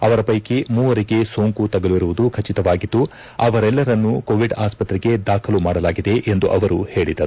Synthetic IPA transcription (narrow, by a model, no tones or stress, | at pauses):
ɐʋɐɾɐpɐjkemuːʋɐɾiɡe̞soːŋkut̪ɐɡɐluʋiɾuʋud̪ukʰɐt͡ʃit̪ɐʋaːɡit̪ːu | ɐʋɐɾɛlːɐɾɐnːukoːʋiɖaːspɐt̪ɾɛɡe̞d̪aːkʰɐlumaːɽɐlaːɡid̪e̞ʔend̪uʔɐʋɐɾuhe̞ːɭid̪ɐɾu